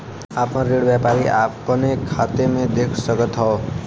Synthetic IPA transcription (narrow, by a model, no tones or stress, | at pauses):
apnoɾeɽbjapaɾiʔa̰pʌnekʰat̪emed̪ekʰsʌɡʌt̪ɦʌo